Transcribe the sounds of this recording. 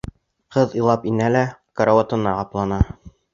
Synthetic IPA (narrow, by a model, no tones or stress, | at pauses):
qɤðɤlˠɑpinælækɐɾowat̪ɤ̆nɑqɑplˠɑnɑ